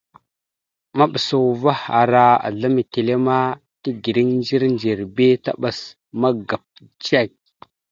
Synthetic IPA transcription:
ma˦ɓa˨sa˨va˦ha̰˨ɾa˨a̰˨ɮa˦mi˨te˨le˦ma˦ | ti˦ɡi˨ɾi˦ŋnd͡ʒi˦ɾnd͡ʒi˨ɾbe˦ta̰˦ɓa˨s | ma˦ɡa˨p̚ | d͡ʒa˦k̚

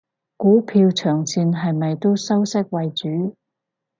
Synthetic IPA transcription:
kuː˨˥pʰiː˧wt͡sʰœː˨˩ŋsʰiː˧nɦɐ˨jmɐ˨jt̪o˥wsɐ˥wsɪ˥k̚wɐ˨jt͡ʃyː˨˥

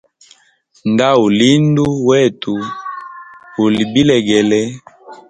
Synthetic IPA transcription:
nda˦wo˨li˦ndu˦wɛ˦˨tu˨ | o˨li˨bi˦lɛ˨ɡɛ˨lɛ˦

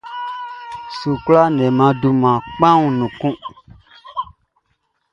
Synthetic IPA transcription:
su˨kla˦nɛ̃˨mã˨du˨mã˨k͡pã˦ŋũ˨nũ˨kũ˦

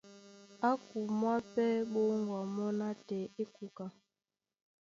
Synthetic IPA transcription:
a˦ku˨mwa˦pɛ˦ɓo˦ŋɡwa˨mɔ˦na˦tɛ˨e˦ku˨ka˨

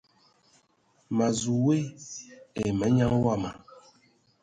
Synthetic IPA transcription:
ma˨zu˨we˦ | e˨mɛ˨˦ɲã˦ŋ˦wa˦˨ma˨

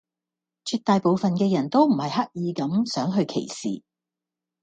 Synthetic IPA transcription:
t͡ʃʰyː˧t̪ːaː˨˧jpo˨˧wfɐ˨nkɛː˧jɐ˨˩nt̪o˥wm̩˨˩hɐ˨jhɐ˥k̚jiː˨˧kɐ˨˧˥msœː˨˥ŋɦɵ˧ɥkʰḛ˨˩jsḭː˨

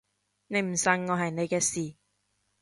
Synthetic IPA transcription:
ne˨˧jm̩˨˩sɐ˨ŋːɔː˨˧ɦɐ˨jne˨˧jkɛː˧siː˨

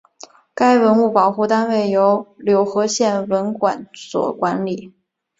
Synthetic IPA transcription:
ka˥ɪwə˧˥nu˥˩pɑ˨˩ʊxu˥˩t̪a˥nwe˥˩ɪjo˧˥ʊljo˧˥ʊxɤ˧˥ɕjɛ˥˩nwə˧˥nkwa˨˩nswɔ̰˨˩kwa˧˥nli˨˩˦

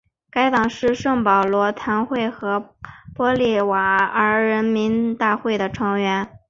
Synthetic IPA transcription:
ka˥ɪt̪ɑ˨˩ŋʂɻ̩˥˧ʂɤ˥˩ŋpɑ˨˩ʊlwɔ˧˥t̪ʰa˧˥nxwe˥˩ɪxɤ˧˥pwɔ˥li˥˩wa˨˩ə˞˧˥ɻə˧˥nmi˧˥nt̪a˥˧xwe˥˩ɪd̪ə˩ʈ͡ʂʰɤ˧˥ŋɥɛ˧˥n

